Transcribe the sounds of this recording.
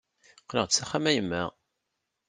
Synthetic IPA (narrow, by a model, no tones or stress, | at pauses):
qləʁt͡sːæχæmæjəmːæʁ